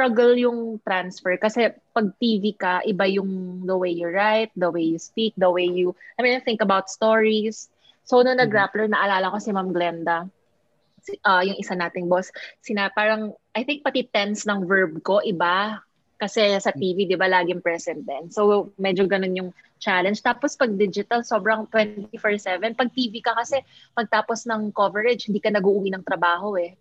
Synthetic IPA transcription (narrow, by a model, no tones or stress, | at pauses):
st̪ɹaɡɛljʊŋt̪ɾansfɛɹkɐsɛ | pɐɡ̚t̪iːvikɐʔɪbajʊŋd̪ɐwejjʊɹɹajt̪̚d̪ɐwejjʊspik̚d̪ɐwejjʊʔaminɐθɪŋkɐbawt̪̚st̪oɹisː | ownonɐɡɹaplɛɹnɐʔɐlaːlɐkosɪmamɡlɛnd̪ɐ | sʔɐjʊŋʔɪsanaːt̪ɪŋbossɪnapaːɾɐŋʔɐjθɪŋk̚pɐt̪ɪt̪ɛnsnɐŋvɛɹb̚ko̞ʔɪba | kɐsɛsɐt̪iːvid̪ɪbalaːɡɪŋpɹɛsɛnt̪̚d̪ɛnsowmɛd͡ʒoɡɐnonjʊŋ | t͡ʃalɛnd͡ʒt̪aːpospɐɡ̚d̪ɪd͡ʒɪt̪ɐlso̞bɾɐŋt̪wɛnt̪ifoɹsɛvɛnpɐɡ̚t̪iːvikɐkɐsɛ | pɐɡ̚t̪aːposnɐŋkovɛɹɛd͡ʒhɪnd̪iːkɐnɐɡuʔʊwinɐŋt̪ɾɐbaːho̞ʔɛ